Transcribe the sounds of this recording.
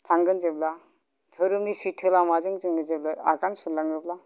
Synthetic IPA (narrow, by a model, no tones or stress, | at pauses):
tʰaŋɡɯnzebla | tʰɯɾɯmnisitʰɯlamazɯŋzɯŋɡɯzeblaa̰ɡansulaŋɯbla